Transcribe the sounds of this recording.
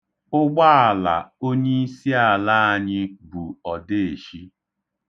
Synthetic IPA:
ʊ˦ɡ͡ba˦a˨la̰˨o˦ɲe˦i˦si˦a˨la˦a˦˨ɲɪ˦bu˨ɔ˨de˦e˨ʃi˦

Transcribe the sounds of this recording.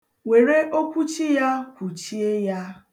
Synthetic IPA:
we˨ɾe˦ʔo˦kʷu˦t͡ʃi˦ja˦kʷu˨t͡ʃi˦e˦ja˦

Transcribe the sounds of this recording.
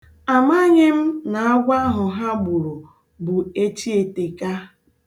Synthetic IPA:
a˨ma˦ɲɪ˦m̩˦na˨a˦ɡʷa˦ɦʊ˨ɦa˦ɡ͡bu˨ɾo˨ | bʊ˨e˦t͡ʃi˦e˨te˨ka˦

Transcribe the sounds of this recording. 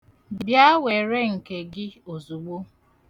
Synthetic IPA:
bbja˦we˨ɾe˦ŋ̩˨ke˨ɡɪ˦o˨zu˨ɡ͡bo˦

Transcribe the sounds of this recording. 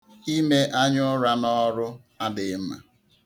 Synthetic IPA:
i˦me˦ʔa˦ɲʊ˦ɾa˦nɔ˦ɾʊ˦ | a˦dɪ˨˦m̩˦ma̰˨

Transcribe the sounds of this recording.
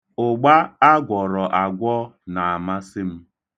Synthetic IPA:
ʊ˨ɡ͡ba˦a˦ɡʷɔ˨ɾɔ˨ʔa˨ɡʷɔ˦na˨a˨ma˦sɪ˦m̩˦

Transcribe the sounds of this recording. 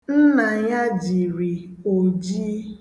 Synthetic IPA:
n̩˦na˨ɲa˦d͡ʒi˨ɾi˨o˨d͡ʒiː˦

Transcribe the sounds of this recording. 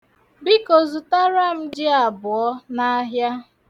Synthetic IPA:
bi˦kɔ˨zu˨ta˦ɾa˦m̩˦d͡ʒɪ˦a˨bʊ˨ɔ˦na˦ɦja˦

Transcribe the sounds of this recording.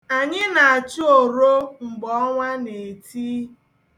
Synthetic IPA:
a˨ɲɪ˦na˨a˨t͡ʃu˦o˨ɾo˦ŋ͡m̩˨ɡ͡bɔ˦ŋʷa˦ne˨tʰiː˦

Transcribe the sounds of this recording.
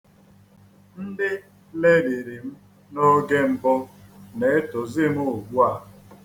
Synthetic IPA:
n̩˦dɪ˦ | le˦de˨ɾi˨m̩˦ | no˦ɡe˦m̩˨bʊ˦ne˨e˦tʊ˨zɪ˦m˦o˨ɡ͡bʷu˦a˨

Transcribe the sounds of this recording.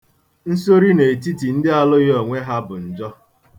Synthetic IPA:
n̩˦so˦ɾi˦ne˨ti˦ti˨n̩˦dɪ˦a˨lʊ˦ɣo˨ŋʷe˦ɦa˦bʊ˨n̩˨d͡ʒɔ˦

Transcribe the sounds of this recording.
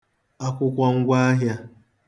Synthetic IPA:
a˦kʷʊ˦kʷɔ˨ŋ̩˦ɡʷa˦a˦ɦja˦

